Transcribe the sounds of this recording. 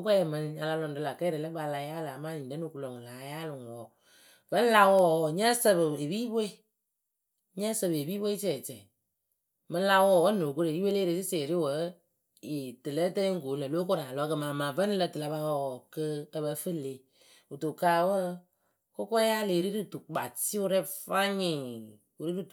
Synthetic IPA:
ʊ˦kʷɛ˦ɛ˨mɨ˧n˧ɲa˧la˧lɔ˧˨n˦dɨ˧la˨kɛ˦ɾe˨lə˦ba˧˨la˧ja˦la˨maː˦˨ɲi˨n˨də˦no˨ku˧lo˨ŋ˨laː˨˦ja˦lʊ˨ŋ˨wɔ˨ | və˦n˦la˧wɔː˦˨ɲɛ˦sə˧bɨ˨e˨biː˦bo˦i˦˨ | ɲɛ˦sɨ˦˨bɨ˨e˨biː˦be˦i˦t͡ʃɛ˨t͡ʃɛ˨ | mɨ˧˦la˧wɔ˦˨wɔ˦no˨k̬o˦ɾe˨i˦we˦leː˦ɾe˧˨tɨ˦seː˨ɾi˦wə˨˦ | i˨tɨ˨lə˦tə˦ŋ̩˦ɡo˨˦lə˨lo˦k̬o˦ɾa˨lɔ˨˦kə˧maː˨ma˨və˦n˦lə˧tɨ˨la˨˧ba˧wɔ˦˧˨wɔ˨kə˧˦ə˧bə˧fɨ˦˨le˦ | u˨to˨ka˦wə˦ | ko˦kɔ˦ja˦˨le˨ɾi˦ɾɨ˦˨tu˨k͡pa˨ti˦ʊ˦ɾɛ˦fa˦ɲɪ˨ | u˨ɾi˦ɾɨ˦˨

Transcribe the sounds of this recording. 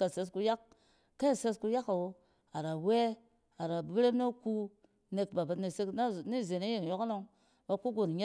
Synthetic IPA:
ka˨se˨s̬ku˦ja˦kː | a˦˨se˦sku˦ja˦ka˨wo˨ | a˨ɾa˨we˦ | a˨ɾa˨bi˦ɾe˦no˦ku˦ | ne˨k̚ba˨ba˨tne˨se˦kn˦ni˦˨ze˨ne˦je˨ŋ˨jo˦kno˦ŋ | ba˨ku˦ɡo˨n˨ɲe˦

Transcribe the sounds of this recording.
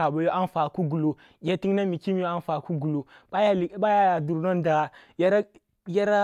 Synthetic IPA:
a˨ba˨jo˦ʔa˦n˦fa˨ku˦ɡu˨lo˨ | ɡʲa˦ti˦ŋ˦na˦mi˨ki˦m˦o˦a˦n˦fa˨ku˦ɡu˨lo˨a˦ja˦˨˦ɓa˦ja˦a˨du˨ɾno˦n˦da˨ɣa˨ | ja˦ɾ | ja˦ɾa˦

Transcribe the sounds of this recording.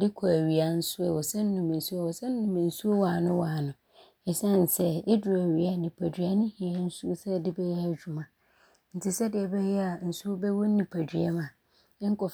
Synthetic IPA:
dɪ˦kʰɔ˨æ˨ɥi˨a˨n̩˦sʊ˦ɛ˨wɔ˨sɛ̃˦n̩˦ʊ̃˨mɪ̃˨n̩˨su˦a˦˨wɔ˨sɛ̃˦n̩˦nʊ̃˨mã˨n̩˨su˦o˦waː˨nʊ̃˦waː˨nʊ̃˨ | ɛ˨sã˦˨n˨sɛ˦dɪ˦dʊ˨æ˨ɥi˨a˨˦nɪ̃˨pʰæ˨dɥa˦nʊ̃˦hi˨ɛ˦n̩˦su˦sɛ˦dɪ˦bɛ˦jɛ˦a˨d͡ʑᶣu˨mã˨ | n̩˨tʰɪ˨sɛ˦dɪ˨ɛ˨bɛ˦jɛ˦a˨n̩˨su˦o˦bɛ˦wo˦n̩˦nĩ˨pʰa˨dɥɛ̰˦mã˨ | ɛ̃˦ŋ̩˦kʰɔ˨

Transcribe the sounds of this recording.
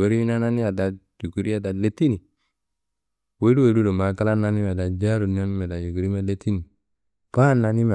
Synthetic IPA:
o˨ɾi˦i˦na˦na˦ni˦a˨da˨d͡ʒu˨ɡu˨ɾi˦a˨da˨le˦ti˦ni˨ | we˦u˦we˨lu˦do˨ma˨ka˦la˦na˦ni˦m˨a˨da˨d͡ʒa˦ɾu˨n˦a˦ni˦me˨da˨d͡ʒu˨ɡu˨ɾi˦ma˦le˦ti˦ni˨ | pa˦nːa˨ni˦me˨

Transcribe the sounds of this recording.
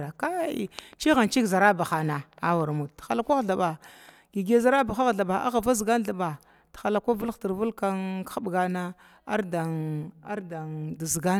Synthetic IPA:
a˨ka˦ḭ˨t͡ʃi˦ɣa˨nt͡ʃi˦kza˨ɾa˦ba˨xa˨na˨a˦wa˨ɾmu˨ttxa˨la˦kʷa˦ɣɬa˨ba˨ | ɡi˨ɡe˨za˦ɾa˦ba˨xa˦ɣɮa˨ɓa˨ʔa̰˦ɣa˨va˦zi˨ɡa˦nɬa˨ɓa˨ | txa˨la˨kʷa˦vu˦lti˨ɾvu˦lka˦n˦a˦ɓɡa˨na˦ | a˦ɾda˨a˦ɾda˨da˨zi˨ɡa˦

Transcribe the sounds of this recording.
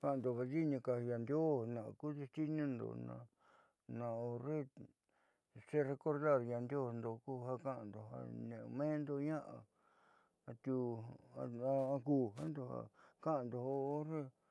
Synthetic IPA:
ka˧ʔã˧˨nd̪o˧˨βa˧ði˦ɲĩ˧ka˧ja˧nd̪jo˦nã̰˨˧ku˦ði˧t̪i˦nĩ˦nd̪o̰˨nã̰˧ | nã˧o˧ɾe˦ | se˦re˧ko˧ɾða˦˨ɾja˧nd̪ʲjo˦˨˧nd̪o˧˨ku˦ha˧kã˧˦ʔnd̪o˨ɦa̰˧nẽ˨˧mẽː˦nd̪o˧ɲã˦ʔa̰˧ | a˧t̪ʲu˧a˧a˧kuː˧ɦa˦nd̪o˧ha̰˧˨ka˦ʔã˨nd̪o˧o˧o˦ɾe˦

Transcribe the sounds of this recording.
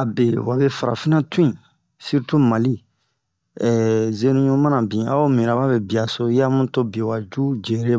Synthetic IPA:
a˨be˨wa˨bɛ˦fa˨ɾa̰˨fi˦nã˦tu˦ĩ˨ | si˦ɾtu˦ma˨li˦ | ɛ˨ze˦nũ˦ɲõ˦ma˦na˨bĩ˨a̰˦o˦mĩ˨ɾa˨ba˦bɛ˨bi˨a˨so˦ja˦mũ˦to˦bẽ˨wa˨d͡ʒu˦d͡ʒe˨ɾe˦

